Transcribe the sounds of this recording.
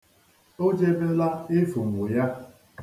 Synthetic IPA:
o˦d͡ʒe˦be˦la˦ɪ˦fu˨ŋ̩˨wʊ˨ja˦

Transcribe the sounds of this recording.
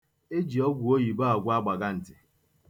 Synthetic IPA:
e˦d͡ʒi˨ɔ˦ɡʷu˨o˦ji˨ba˦a˨ɡʷʊ˦a˦ɡ͡ba˨ɡa˦n̩˨tɪ˨

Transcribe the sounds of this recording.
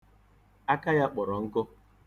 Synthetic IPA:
a˦ka˦ja˦k͡pɔ˨ɾɔ˨ŋ̩˦kʊ˦

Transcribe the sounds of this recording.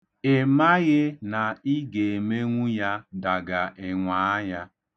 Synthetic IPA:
e˨ma˦ɣɪ˦na˨i˦ɡe˨e˨me˦ŋʷu˦ja˦da˨ɡa˨ʔɪ˨ŋʷa˨a˦ja˦

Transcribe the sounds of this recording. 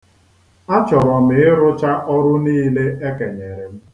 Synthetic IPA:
a˦t͡ʃɔ˨ɾɔ˨m̩ɪ˨ɪ˦ɾʊ˦t͡ʃa˦ʔɔ˦ɾʊ˦niː˦le˦ʔe˦ke˨ɲe˨ɾɪ˨m̩˦

